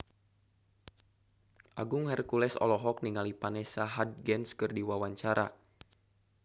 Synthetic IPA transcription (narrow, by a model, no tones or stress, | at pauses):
ʔaɡʊŋhɛrkulɛsɔ̰lɔɦɔk̚niŋalipanɛsaɦad̚ɡɛnskɨrdiwawaɲt͡ʃaɾʔa̰